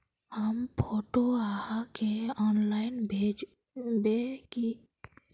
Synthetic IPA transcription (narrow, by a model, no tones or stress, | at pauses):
həmpʰoːʈoahakeɔːnlaɪnbed͡ʒ | beki